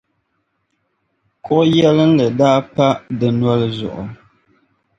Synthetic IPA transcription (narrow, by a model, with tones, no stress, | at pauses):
kʰɔ˦jɛ˦lɨ˦n̩˦lɨ˨daː˦pa˦dɨ˨nwa˦lɨ˦zʊ̰˨ʔʊ˨